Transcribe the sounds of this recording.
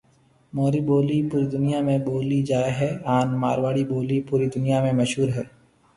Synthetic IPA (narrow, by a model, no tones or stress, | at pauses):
moːɾiːboːlipuːɾiːd̪ʊnijaːmẽboːlid͡ʒaːɦɛaːnma̰ːɾʋaːɽiːboːliːpuːɾiːd̪ʊnijamẽməʃɦuːɾɦɛː